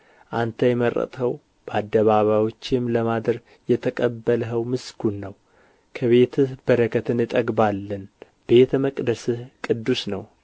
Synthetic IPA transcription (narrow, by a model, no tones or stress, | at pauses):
ʔant̪ʰəjɛmərə̰t̪ʼhəw | b̥əad̪ːəβaβajo̞t͡ʃːɪmləmad̪ɾ | jɛt̪ʰəkʼəbːələɦəwmɨskʰunːəw | kʰəβe̞t̪ʰɨb̥əɾəkʰət̪ʰɨnɨt̪ʼəɡbalːən | b̥e̞t̪məkʼd̪əsɨhkʼɨd̪ːusnəw